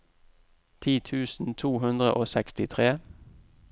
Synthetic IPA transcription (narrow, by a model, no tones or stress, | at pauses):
t̪ʰiːt̪ʰʉːsn̩t̪ʰuːɦʉnd̪ʁə̰ʔoːsɛkst̪ɪt̪ʰʁeː